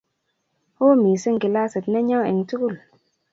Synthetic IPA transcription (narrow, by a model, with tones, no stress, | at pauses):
ho˦miː˨si˦ŋki˨la˦sɨ˨tnɛ˦ɲa˦wɛ̰˨ŋtu˦ku˦˨l